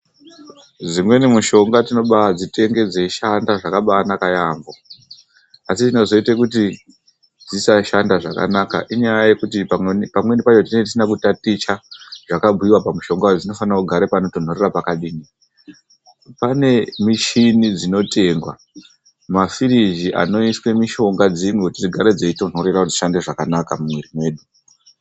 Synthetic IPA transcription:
d͡zimwe̞nimuʃo̞ŋɡatino̞ɓad͡zite̞ŋɡe̞d͡ze̞ʃandaʐakaɓaːnakajaɱvo̞ | asitino̞zo̞itekut̬i | d͡zisaʃandaʐaka̰naka̰ʔiɲajaaje̞kutipamwe̞nipat͡ʃotinetisinak̬utatit͡ʃaʐakabʱuiwapamuʃo̞ŋɡad͡zino̞fanakuɡʱaɾepano̞to̞n̤orerapakaɗiːni | pane̞miʃinid͡zino̞te̞ːŋɡwa̰ | mafiɾiʒiʔa̰no̞iswe̞miʃo̞ŋɡad͡ziŋɡotid͡ziɡʱaɾed͡zeito̞n̤o̞ɾerauziʃande̞ʐakanakamumweɾimwe̞ːɗu

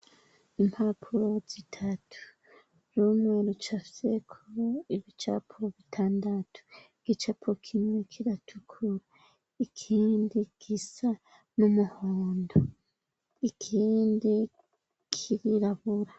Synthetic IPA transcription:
imhapʰuɾo̞z̥itʰatʰu̥ | ɾumŋe̞ɾut͡ʃafi̥se̞kʰoiβit͡ʃa̰pʰo̞βitʰaːndatʰu̥iɡ̥it͡ʃapʰokʰimŋe̞kʰiɾatʰukʰuɾa | ikʰiːndikʰisa | mumuhoːndo | ikʰiːndi | kʰiɾiɾaβuɾa

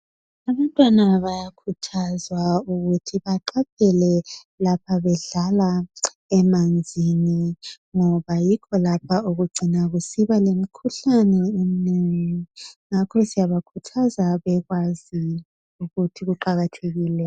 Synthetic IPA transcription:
aβantʼwanaβajakʰutʰazwauɣutʰiβaǃap̚ʰɛlɛ | lapʰaβɛɮala | ɛmand͡zʱini | ŋɔβajikʰɔlapʰauɣuɡ͡ǀʱinaɣusiβalemikʰuɬanɛemineŋiŋakʰɔsijaβakʰutʰazaβɛɣwazi | uɣutʰiɣuǃaɣatʰeɣiːlɛ

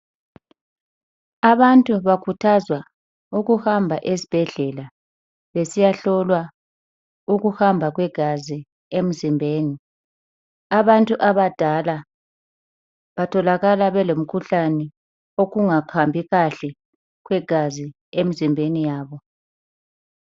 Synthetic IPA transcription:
aβantʼuβakʰutʰazwa | uɣuhambʱaʔesi̥b̥ʱɛɮɛla | βesijaɬɔlwa | uɣuhambʱaɣwɛɡ̥ʱazi | em̩zimbʱeːni | aβantʼuʔaβad̥ʱala | βatʰɔlaɣalaβɛlom̩kʰuɬanɛ | oɣuŋakʰambʱiɣaɬɛ | ɣwɛɡ̥ʱazi | em̩zimbʱenijaːβɔ

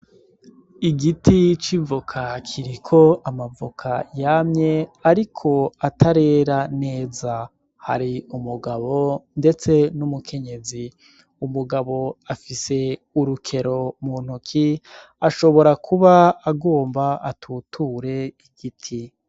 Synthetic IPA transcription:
iɡitit͡ʃivukʰakʰiɾikʰo̞amavukʰajamɲe̞aɾikʰo̞atʰaɾe̞ɾane̞ːza | ha̰ɾiumuɡaβo̞nde̞t͡se̞numukʰe̞ɲe̞zi | umuɡaβo̞afise̞ | uɾukʰe̞ɾo̞muːn̥ukʰi | aʃo̞βo̞ɾakʰuβaːɡoːmbaatʰutʰuːɾe̞iɡ̥itʰi

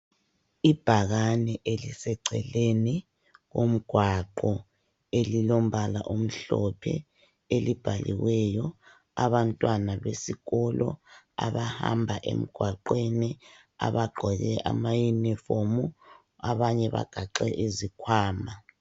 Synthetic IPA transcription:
ib̥ʱaɣanɛʔelisɛǀʱɛleni | ɣo̰m̩ɡ̥ʱwaǃɔ | elilom̩βala̰ʔom̩ɬɔpʰɛ̰ | elib̥ʱalḭwɛjɔ | a̰βantʼwanaβesiɣɔlɔ̰ | a̰βaha̰mbʱaʔḛm̩ɡ̥ʱwaǃweni | a̰βaɡ͡ǃʱɔɣɛʔamajunifomu | aβaɲɛβa̰ɡ̥ʱaǃɛʔezikʰwaːma

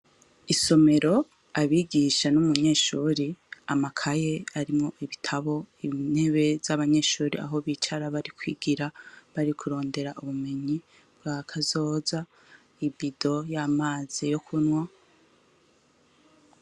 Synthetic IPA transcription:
iso̞me̞ɾo̞ | aβiːɡiʃanumuɲe̞ːʃuːɾiamakʰaje̞aɾimŋo̞ʔiβitʰaβo̞in̥he̞βe̞zaβaɲe̞ːʃuːɾia̰ɦo̞βiːt͡ʃaɾaβaɾikwḭːɡiɾaβaɾikʰuɾo̞ːnde̞ɾaʔuβume̞ɲi | bɡakʰazo̞ːza | ibido̞jaːmaːz̥ijo̞kʰunŋwa

